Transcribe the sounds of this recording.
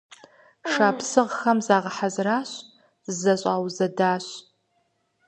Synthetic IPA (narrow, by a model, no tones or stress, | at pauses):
ʂaːpsɨʁxɐmzaːʁɐħazraːɕ | zɐɕʼaːwzɐdaːɕ